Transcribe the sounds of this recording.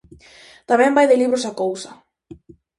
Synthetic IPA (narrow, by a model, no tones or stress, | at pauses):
t̪amɛ̃mbajðeliβɾʊsakowsɐ